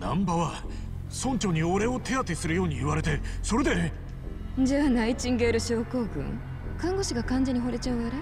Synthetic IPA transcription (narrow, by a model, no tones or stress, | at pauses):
nã̰mbaβa | sõ̞ɲ̟t͡ɕo̞ɲ̟ioɾe̞o̞t̪e̞at̪esɨɾɯjo̞ːɲ̟iiβaɾe̞t̪e̞so̞ɾe̞d̪e | d͡ʑanait͡ɕĩŋɡeːɾɯ̟ɕo̞ːko̞ːɡɯ̟̰̃ŋ | kãŋɡo̞ɕiɡakãnd͡ʑeɲ̟iɦo̞ɾe̞t͡ɕaɯ̟aɾa